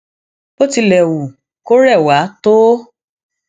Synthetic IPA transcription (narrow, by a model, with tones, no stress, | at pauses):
bo˦ti˧lɛ˨wu˨ | ko˦ɾɛ˦˨wa˨˦to˦